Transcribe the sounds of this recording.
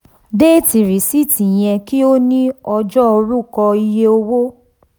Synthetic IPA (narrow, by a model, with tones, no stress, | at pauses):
deː˦ti˨ɾi˨si˦˨ti˨j̃ɛ̃˧ki˦o˦nĩ˦ɔ˧d͡ʒɔ˦o˧ɾu˦˨kɔ˧i˧je˦o˧wo˦